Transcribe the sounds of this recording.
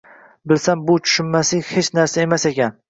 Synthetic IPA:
bɪlsambʊt͡ʃʰʊ̥ʃɪnmasɪhet͡ʃnaɾsae̞masekʲan

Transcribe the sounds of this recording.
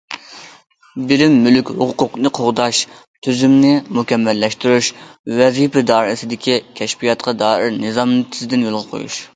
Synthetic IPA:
bɪɾɪmːylykʲhʊqʰqʊqnɨqʰoʁd̪ɑʃ | t̪ʰyzymnɪmukʲɛmːɛlːɛʃt̪yɾuʃvɛzipɛd̪ɑːɾɪsɪd̪ɪkʲʰikʲʰɛʃpijɑt̪qʰɑd̪ɑːɪɾnɨzɑmnɨt̪ʰɪzɪd̪ɪnjolˠʁɑqʰo̰jṵʃ

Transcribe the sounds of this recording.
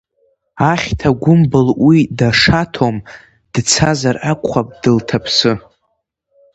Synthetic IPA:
aχʲtʰaɡʷʊmbɨlwidaʂatʰom | d̥t͡sʰazarʔakʷʰχap̚ʼd̥ɨltʰapʰsɨ

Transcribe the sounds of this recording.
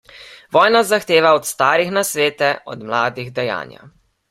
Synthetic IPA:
ʋɔːjnazaxt̪eːʋaɔt̪st̪aːɾixnasʋeːt̪ɛɔ̰d̪mlaːd̪iɣd̪ɛja̰ːnja̰

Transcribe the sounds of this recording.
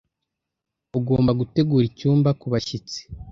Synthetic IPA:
oɡo̞ːmbaɡute̞ɡuːɾicuːmbakuβaʃit͡se̥

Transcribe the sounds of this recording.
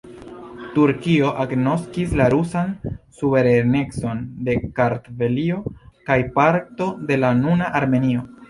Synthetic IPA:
tuɾkio̞ʔaɡno̞skislaɾusansuve̞ɾene̞kt͡so̞nde̞kaɾtve̞lio̞kajpaɾto̞de̞lanunaʔaɾme̞nio̞

